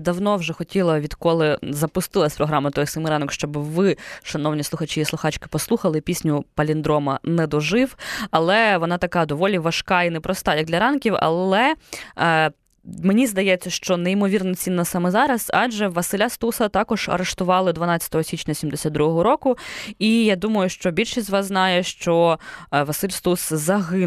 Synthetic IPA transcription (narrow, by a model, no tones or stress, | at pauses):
d̪ɐwnɔwʒɛxɔtʲilˠɐʋʲid̪kɔlˠɪzɐpʊst̪ɪlˠɐsʲpɾɔɦɾɑmɐt̪ɔjsɐmiɾɑnɔkʃt͡ʃɔbɪʋɪʃɐnɔwnʲislˠʊxɐt͡ʃiːsˠʊxɑt͡ʃkɪ̥pɔslˠuxɐlˠɪpʲisʲnʲʊpɐlʲind̪ɾɔmɐnɛd̪ɔʒɪwɐlˠɛʋɔnɑt̪ɐkɑd̪ɔʋɔlʲiʋɐʃkɑinɛpɾɔst̪ɑjɐk̚d̪lʲɐɾɑnkʲiwɐ̰lˠɛ | menʲizd̪ɐjɛt͡sʲːɐʃt͡ʃɔnɛimɔʋʲirnɐt͡sʲinːɐsɑmɛzɑɾɐzɑ̰ʒɛʋɐsɪlʲast̪usɐt̪ɑkɔʒ̥ɐ̰ɾeʂt̪ʊʋɑlˠɪd̪ʋɐnɑt͡sʲːɐ̥t̪ɔɦɔsʲit͡ʃʲnʲɐsʲimd̪esʲad̪̚d̪ɾuɦɔɦɔɾɔkʊijad̪umɐjʊʃt͡ʃɔbʲilʲʃisʲzʲʋɑsznɑjɛʃt͡ʃɔʋɐsɪlʲst̪uszɐɦɪ